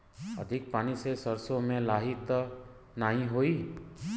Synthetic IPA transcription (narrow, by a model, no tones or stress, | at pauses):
ə̰d̪ʱɪk̚paːnisesəɾsõmẽlaːɦɪt̪ | naːɦĩɦoːiː